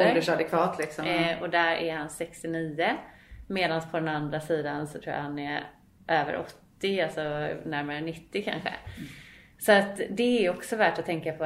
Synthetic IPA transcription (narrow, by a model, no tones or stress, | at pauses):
d̪əʂad̪ɛkʰvɑːt̪ʰlɪksɔmɔd̪æɾʔæ̰ɾhansɛkst̪ɪniːəmeːd̪anspʰɔd̪ɛnand̪ɾasiːd̪ansɔt̪ʰɾuːja̰hanɛɾ | ʔøːvə̰ɾʔɔ̰t̪ːɪalsɔnæɾmaɾənɪt̪ːɪkʰa̰nɧə̰ | sɔat̪d̪ɛæɾjɔksɔvæʈɔt̪ʰɛŋkapʰɔ